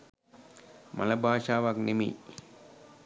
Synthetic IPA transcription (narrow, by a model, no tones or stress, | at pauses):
ma̰ləbʱaːʃaːʋaknemḛ